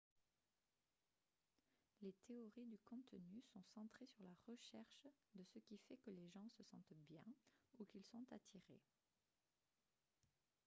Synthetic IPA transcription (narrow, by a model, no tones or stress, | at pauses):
let̪ʰeɔʁid̪ykɔ̃t̪nysɔ̃sɑ̃t̪χesyʁlaʁəʃɛʁʃd̪əsəkʲifɛkəleʒɑ̃səsɑ̃t̪bjɛ̃ukilsɔ̃t̪at̪ʰiʁḛ